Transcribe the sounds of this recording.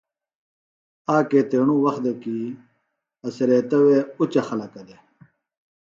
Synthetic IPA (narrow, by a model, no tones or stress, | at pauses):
aːkeːt̪eːɳ̃ũwɐxd̪eki | ɐseɾeːt̪ɐweut͡ɕɐxɐlɐkɐd̪e